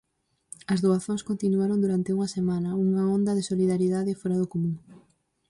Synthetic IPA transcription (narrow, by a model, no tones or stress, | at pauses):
ɐzðoaθoŋskont̪inuaɾond̪uɾant̪ɪuŋɐsemãnɐuŋaond̪ɐðesoliðaɾiðaðɪfɔɾɐðokomũŋ